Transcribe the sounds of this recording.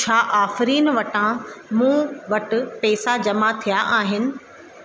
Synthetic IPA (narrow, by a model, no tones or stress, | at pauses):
t͡ʃʰaːʔaːfɪɾiːnʋɐʈãmũːʋɐʈʊ̆pɛːsad͡ʑɐmat̪ʰijaʔaːɦɪnɪ̆